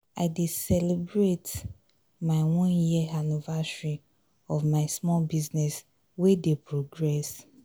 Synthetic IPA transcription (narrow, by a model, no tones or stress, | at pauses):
aɪdesɛlebɹet | maɪwɔ̃njianivasɹi | ɔvmaɪsmɔlbiznɛs | wedepɹoɡɹɛs